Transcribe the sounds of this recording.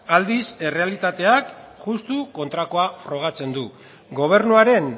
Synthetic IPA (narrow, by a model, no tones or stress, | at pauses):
ald̪ise̞re̞alit̪at̪e̞akʝust̪uko̞nt̪ɾako̞afɾo̞ɣ̞at͡se̞nd̪u | ɡo̞β̞e̞ɾnuaɾe̞ŋ